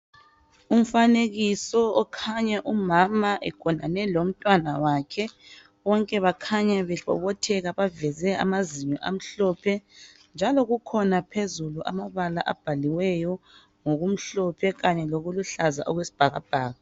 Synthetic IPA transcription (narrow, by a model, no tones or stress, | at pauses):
um̩faneɣisɔɔkʰaɲaʔumamaʔɛɡ̥ʰʱʼɔna̰nɛlom̩tʼwanawakʰɛ | βɔŋkʼɛβakʰaɲaβɛɬɔ̰βɔtʰɛɣaβavɛzɛa̰maziɲɔʔa̰m̩ɬɔpʰɛ | nd͡ʒʱalɔɣukʰɔnapʰezuluʔa̰maβala̰ʔab̥ʱaliwɛjɔ | ŋoɣum̩ɬɔpʰɛɣaɲɛloɣuluɬaza̰ʔɔɣwesi̥b̥ʱaɣa̰b̥ʱaːɣa